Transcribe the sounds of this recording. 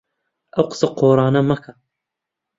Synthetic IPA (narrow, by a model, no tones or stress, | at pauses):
ʔɐwqɨ̥sɐqʰoːɾˤɑːnɐmɐkʰɐ